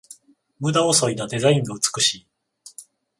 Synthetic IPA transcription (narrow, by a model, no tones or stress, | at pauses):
mɯ̟d̪aoso̞id̪ad̪e̞zaĩŋaɯ̟t͡sɨ̥kɯ̟ɕi